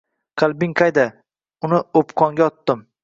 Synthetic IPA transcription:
qʰɑlˠbɪŋqʰɑjd̪a | ʊnɪopqʰɒŋɡʲaɒt̪ːɪm

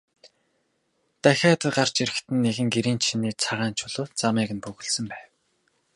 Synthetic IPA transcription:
t̪æxʲaːt̪ə̆ɢar̥t͡ɕiɾɘ̆xt̪ʰɘ̆nːeɣɘ̆ŋɡeɾiːnt͡ɕʰiniːt͡sʰaʁaːnt͡ɕʰʊɮoːt͡samiːɣɘ̆npɵɣɵ̆ɮsɘ̆mpæːw

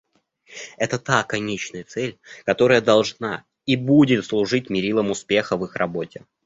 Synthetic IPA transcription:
ɛt̪ət̪akɐnʲet͡ɕnəjət̪sɛlʲkɐt̪o̞ɾəjəd̪ɐlˠʐna | ibudʲɪt̪slˠʊʐɨt̚ʲmʲɪɾʲilˠəmʊspʲe̞xəvɨxrɐbo̞tʲɪ

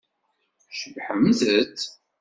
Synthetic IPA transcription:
ʃəvħəmðət͡sː

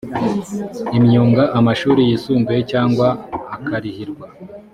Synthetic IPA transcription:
imɲuːŋɡaʔamaʃuːɾijiːsuːmbujecaːŋɡwaːkaɾihiɾɡwa

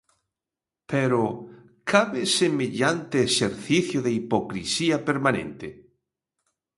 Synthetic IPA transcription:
peɾo | kʰaβesemeʎant̪eːseɾθiθjoðeipokɾḭsiɐpeɾmanḛ̃nt̪e

